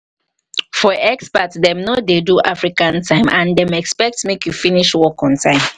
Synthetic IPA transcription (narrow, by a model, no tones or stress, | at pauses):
fɔʔɛkspətdɛmnodeduʔafɹikãntʰãɪ̃mʔãndɛ̃mɛkspɛk̚tmekjufiniʃwɔkɔ̃ntʰãɪ̃m